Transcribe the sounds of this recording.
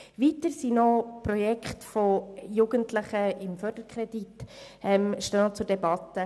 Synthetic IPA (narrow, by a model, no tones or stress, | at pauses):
vitəɾsinɔpɾɔjɛkχtfojuːɡəntlɪχəɪmfœɾdəɾkʰχʁɛdit | ɛmʃtønɔt͡sʊɾdɛbɑtə